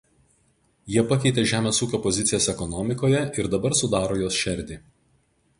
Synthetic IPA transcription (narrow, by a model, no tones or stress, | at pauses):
jiɛpɐkʲɛɪt̪ʲeʒʲæːmʲeːsuːkʲoːpɔzʲɪt̪sʲɪjoːsɛkɔnɔmʲɪkoːjɛɪɾd̪ɐbɐɾsʊd̪ɑːɾoːjoːsʃʲɛɾʲd̪ʲiː